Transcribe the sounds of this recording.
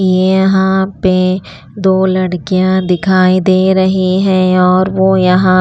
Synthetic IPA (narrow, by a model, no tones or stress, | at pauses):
jejɐɦãpe | d̪oːlɐɽkijãd̪ɪkʰaːid̪eːɾɐɦiɦɛ̃ɔːɾʋojɐɦã